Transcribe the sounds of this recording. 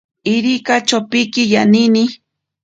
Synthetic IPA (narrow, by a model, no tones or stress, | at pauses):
ɪɾikat͡ʃopɪkɪjanini